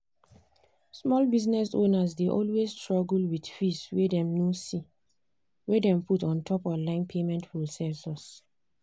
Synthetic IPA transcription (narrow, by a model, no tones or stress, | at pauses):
smɔlbiznɛsõnasdeʔɔlwesstɹɔɡlwidfiswɛdɛ̃mnosi | wɛdɛ̃mputɔ̃ntʰɔpɔ̃nlãɪ̃npʰemɛ̃ntpɹosɛsɔs